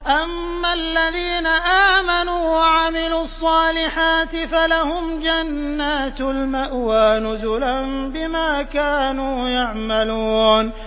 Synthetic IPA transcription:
ʔamːalːaðiːnaʔaːmanuːwaʕamɪluːɑsˤːɑːlɪħaːt̪ɪfalahʊmd͡ʒanːaːt̪lmaʔwaːnʊzʊlanbɪmaːkaːnuːjaʕmaluːn

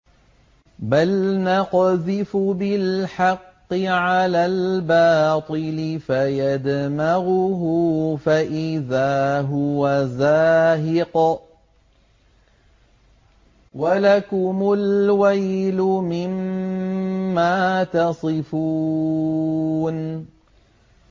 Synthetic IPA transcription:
balnɑqðɪfʊbɪlħɑqːɨʕalaːlbɑːt̪ˤɨlɪfajad̪maɣʊɦʊfaʔɪðaːɦʊwazaːɦɪq | walakʊmʊlwajlʊmɪm | aːt̪ɑsˤɨfuː | n

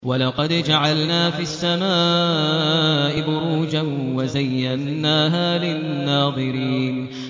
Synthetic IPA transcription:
walɑqɑd̪d͡ʒaʕalnaːfiʔasːamaː | ʔɪbʊɾuːd͡ʒanwazajːanːaːɦaːlɪnːɑːðˤɨɾiːn

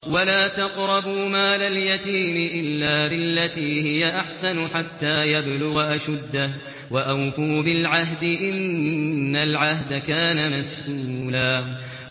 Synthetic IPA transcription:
walaːt̪ɑqɾˤɑbʊmaːlaljat̪iːmɪʔɪlːaːbɪlːat̪iːhɪjaʔaħsanʊħat̪ːaːjablʊɣaʔaʃad̪ːa | waʔawfuːbɪlʕaɦd̪ɪʔɪnː | alʕahd̪akaːnamasʔuːlaː

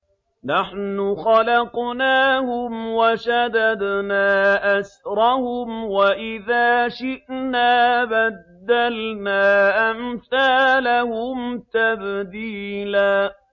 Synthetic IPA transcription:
naħnʊxɑlɑqnaːhʊmwaʃad̪ad̪naːʔasɾˤɑhʊmwaʔɪðaːʃɪʔnaːbad̪ːalnaːʔamθaːlahʊmt̪abd̪iːlaː

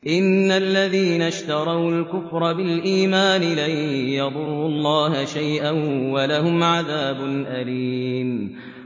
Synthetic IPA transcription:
ʔɪnːalːaðiːnaʃt̪ɑɾˤɑwlkʊfɾˤɑbɪlʔiːmaːnɪlajjɑd̪ˤʊɾːuːɑlˤːɑːhaʃajʔanwalahʊmʕaðaːbʊnʔaliːm

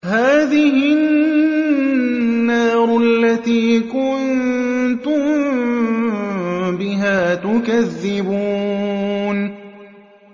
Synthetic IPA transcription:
haːðɪhɪ | nːaːɾˤʊʔalːat̪iːkʊnt̪ʊm | bɪɦaːt̪ʊkaðːɪbuː | n

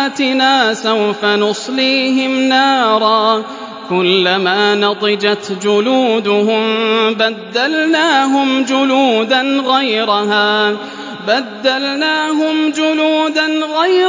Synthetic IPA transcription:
t̪ɪnaːsawfanʊsˤliːɦɪmnɑːɾˤɑː | kʊlːamaːnɑd̪ˤɨd͡ʒat̪d͡ʒʊluːd̪ʊhʊmbad̪ːalnaːɦʊmd͡ʒʊluːd̪anɣajɾaɦaː | bad̪ːalnaːɦʊmd͡ʒʊluːd̪anɣaj

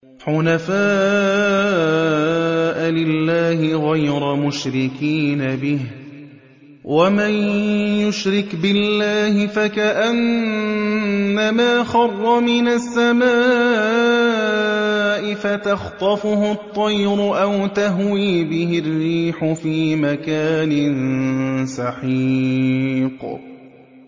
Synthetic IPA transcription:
ħʊnafaː | ʔlɪlːaːhɪɣajɾamʊʃɾɪkiːnabɪh | wʔamanjʊʃɾɪkbɪlːaːhɪfakaʔan | amaːxɑrˤːɑmɪnasːamaː | ʔɪfat̪axt̪ˤɑfʊhʊt̪ˤːɑjɾʊʔawt̪aɦwiːbɪhɪrːiːħʊfiːmakaːnɪn | sɑħi | q

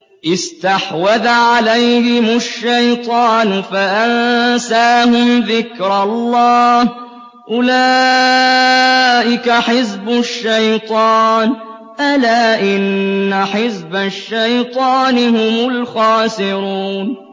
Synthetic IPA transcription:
ʔɪst̪aħwaðaʕalajhɪmʊʃːajt̪ˤɑːnfaʔansaːhʊmðɪkɾɑlˤːɑːh | ʔʊlaː | ʔɪkaħɪzbʊʃːajt̪ˤɑːn | ʔalaːʔɪnːaħɪzbaʃːajt̪ˤɑːnɪhʊmʊlxaːsɪɾuːn

